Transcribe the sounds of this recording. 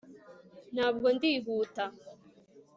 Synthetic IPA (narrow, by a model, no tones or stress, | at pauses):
nhaːbɡondiːβuːta